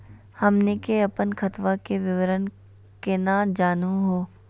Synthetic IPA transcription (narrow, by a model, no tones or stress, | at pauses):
hɐmnekeɐpənkɐt̪ʋakeʋɪʋəɾən | kenad͡ʒaːnũɦoː